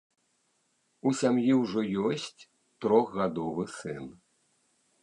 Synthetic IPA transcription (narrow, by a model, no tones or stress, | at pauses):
usʲamjiwʐɔjɔsʲt͡sʲ | t̪ɾɔɣɣad̪ɔvɨsɨn